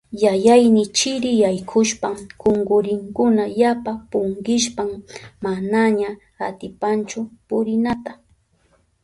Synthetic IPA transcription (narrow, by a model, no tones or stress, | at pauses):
jajajnɪt͡ʃɪɾɪjajkʰʊʃpakoŋɡʊɾɪŋkʊnajapapʊŋɡɪʃ̬pammanaɲa | at̪ɪpant͡ʃʊpʊɾɪnat̪a